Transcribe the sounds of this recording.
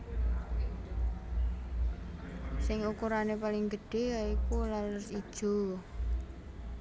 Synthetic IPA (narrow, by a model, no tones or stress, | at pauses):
sɪŋukuɾanepalɪŋɡəɖ̥e̤jaikulalʊsid̥ʒ̥o̤